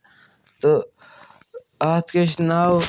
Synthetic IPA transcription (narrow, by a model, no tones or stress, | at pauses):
t̪o | aːt̪keʃnaːw